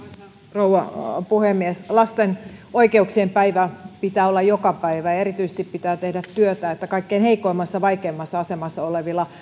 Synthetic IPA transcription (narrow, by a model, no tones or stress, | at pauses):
rouwɑpuhemːieslɑst̪enoikeuksiempæiʋæpit̪æːolːɑjokɑpæiʋæɑerit̪yise̥st̪ippit̪æːt̪ehdæt̪t̪yøt̪æːet̪ːækɑikːeːnheikˑoimːɑsːɑʋɑikeːmːɑsːɑɑsemɑsːɑoleʋilːˑɑ